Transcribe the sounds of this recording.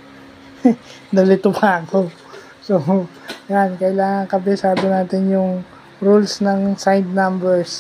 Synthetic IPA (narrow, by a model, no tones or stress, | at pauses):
d̪ɐlɪt̪ʊpako | sojankɐʔɪlaːŋɐŋkɐbɪsaːd̪onaːt̪ɪnjʊŋ | ɾulsnɐŋsajd̪̚nambɛɹs